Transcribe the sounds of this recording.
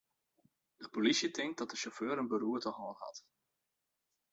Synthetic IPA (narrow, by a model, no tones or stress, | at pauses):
d̥əpolisiətɪŋk̚dɑt̚dəʃɔføːɾənbəruːɹtəχoːnɦɑ̰t